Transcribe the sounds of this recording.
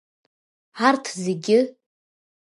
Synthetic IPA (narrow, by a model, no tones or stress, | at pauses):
ʕartʰzeɡʲɪ